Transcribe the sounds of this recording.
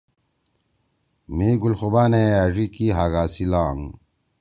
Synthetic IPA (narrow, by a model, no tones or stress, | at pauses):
miːɡulxubaːneaʐikiɦaɣaːsilaːŋ